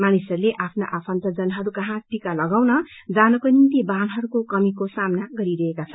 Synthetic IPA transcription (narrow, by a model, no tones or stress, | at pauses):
manisʌɾuleʔapʰnaʔapʰʌnt̪ʌd͡zʌnɦʌɾukʌɦãʈikalʌɡawnʌ | d͡zanʌkonint̪ibanɦʌɾukokʌmikosamnaɡʌɾiɾʌɦekat͡sʰʌn